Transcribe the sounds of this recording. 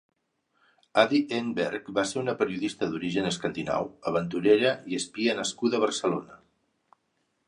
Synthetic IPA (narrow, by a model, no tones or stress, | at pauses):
aðiʔembɛ̰ɾkbaseɾunəpəɾiuðist̪əðuɾiʒənəskənd̪ina̰wəβənt̪uɾeɾəiəspiənəskuðəβ̞əɾsəlonə